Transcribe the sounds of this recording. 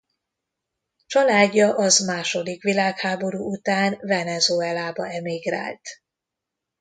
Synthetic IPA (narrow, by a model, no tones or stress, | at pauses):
t͡ʃɒlaːɟːɒʔɒzmaːʃo̞d̪ikʋilaːkhaːbo̞ɾuːut̪aːnvɛnɛzoɛlaːbɒɛmiɡra̰ːlt̪